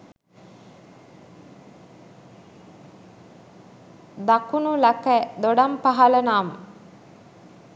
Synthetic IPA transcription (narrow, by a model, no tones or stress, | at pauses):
d̪akunulakɛd̪oɖampaɦalənaːmə